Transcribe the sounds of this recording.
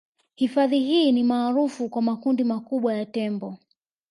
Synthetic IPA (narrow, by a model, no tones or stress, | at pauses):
hifaðiɦiːnimaːɾufukwamakundimakuɓwajatɛmbɔ